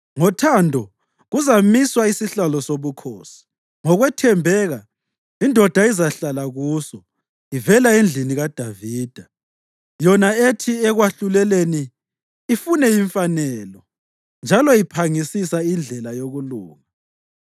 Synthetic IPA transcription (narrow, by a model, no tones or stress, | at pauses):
ŋɔtʰandʱɔ | ɣuzamiswaisiɬalɔsoβukʰoːsi̥ | ŋɔɣwɛtʰɛmbʱɛːɣa | indʱɔd̥ʱaizaɬalaɣuːsɔ | ivɛlaend͡ɮʱiniɣad̥ʱaviːd̥ʱa | jɔnaetʰiɛɣwaɬulɛleniː | funɛjiɱfanɛlɔ | nd͡ʒʱalɔjipʰaŋisisaind͡ɮʱɛlajoɣuluːŋa